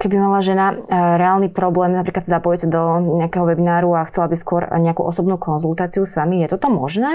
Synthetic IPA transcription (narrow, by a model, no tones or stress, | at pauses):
kɛbimalaʒɛnaɾɛaːlnipɾɔblɛːmnapɾiːklat̪szapɔjɛsad̪ɔɲɛakɛːɦɔʋɛbinaːɾuaxt͡sɛlabiskʊɔɾɲɛakṵːʔɔsɔbnuːkɔnzulˠt̪aːt͡siusʋamijɛt̪ɔt̪ɔmɔʒnɛː